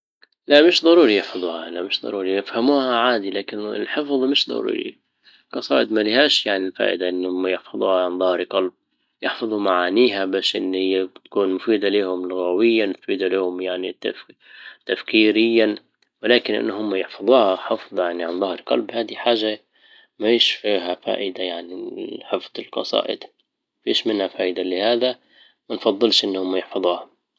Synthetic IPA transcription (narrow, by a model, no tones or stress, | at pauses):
laʔmɪʃd̪ˤɑɾuːɾijɪħfɑðˤuːhaalaʔmɪʃd̪ˤɑ̰ɾˤuːɾijɪfhamuːhaʕaːd̪ilaːkɪnɪ̰lħɪfðˤmɪʃd̪ˤɑ̰ɾṵːɾḭ | qɑsˤɑ̰ːʔɪd̪malɪhaːʃjaʕnilfa̰ːʔɪd̪aʔɪnːhʊmːajɪħfɑðˤuːhaʕanðˤɑhɾqɑlb̚ | jɪħfɑðˤumaʕaːniːɦabaːʃʔɪnːhɪjːabt̪ḁkuːnmʊfiːd̪aliːhʊmlʊɣawɪjːaɪt̪fiːd̪aliːhʊmjaʕnit̪ːa̰ft̪afkiːɾɪjːa | wɪlaːkɪnʔɪ̰nːhʊmːajɪħfɑðˤuːhaħɑfðˤjaʕniʕanðˤɑhɾqɑ̰lbhaːd̪iħaːʒːa | mafiːʃfiːɦafa̰ːʔɪd̪ajaʕniħɪfðˤɪlqɑ̰sˤɑ̰ːʔɪ̰d̪ | fiːʃmɪnhafaːʔɪd̪alɪhaːd̪a | manfɑðˤːɨlʃʔɪnːhʊmːajɪħfɑðˤuːha